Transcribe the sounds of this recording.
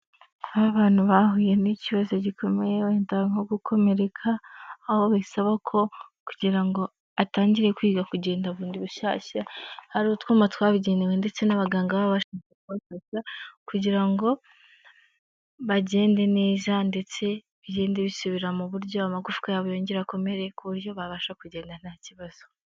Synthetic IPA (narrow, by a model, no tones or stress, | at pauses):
βaβaːn̥huβaɦuːje̞niciβazo̞ɟikʰo̞me̞jeeːntaŋoɡukʰo̞me̞ɾe̞kʰaːho̞βasaβakʰo̞kuɟiɾaŋɡo̞ | ataːɲɟiɾe̞kwiːɡakuɟe̞ːndaβuːndiβuʃa̰ːʃahaɾuotkuːmatwaːβiɟe̞ːnewe̞nde̞t͡se̞naβaɡaːŋɡaβaββaʃakakuβafaʃakuɟiɾaŋɡo̞ | βaɟe̞ːnde̞ne̞ːzande̞t͡se̞ | βiɟe̞ːndeβisuβiɾamuβuɾɟo̞amaɡufu̥kajaβujoːɲɟeɾako̞me̞ɾe̞kuβuɾjo̞βaβaːʃakuɟe̞ːndan̥aciβaz̥o